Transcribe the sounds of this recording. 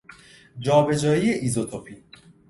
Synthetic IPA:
d͡ʒɒːbe̞d͡ʒɒːjijeʔizot̪ʰopʰi

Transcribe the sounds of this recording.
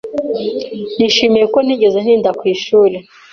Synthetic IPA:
n̥iʃemejekwon̥iːɟezen̥iːndakwiːʃuːɾe

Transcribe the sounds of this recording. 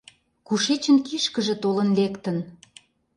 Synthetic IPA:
kuʃet͡ɕə̆nkiʃkə̆ʒĕt̪olə̆nlekt̪ə̆n

